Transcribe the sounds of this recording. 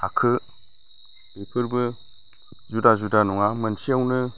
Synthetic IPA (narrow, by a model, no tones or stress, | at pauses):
akʰɯ | bipʰɯɾbɯ | zudazudanuŋamənsiawnɯ